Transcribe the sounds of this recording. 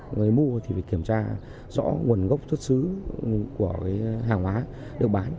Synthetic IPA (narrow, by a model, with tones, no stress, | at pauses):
ŋaː˨˦jmu˧ət̪ʰi˨˩vi˨˩ki˧˩əmt͡ɕaː˧ | zɔ̰˧˥ŋu˨˩ənɣə˦˥wk͡p̚t̪ʰwə˦˥t̚sɨ˨˦ku˧˩əkaː˨˦jɦaː˨˩ŋhwaː˨˦ | ɗɨ˨˩ək̚ɓaː˨˦n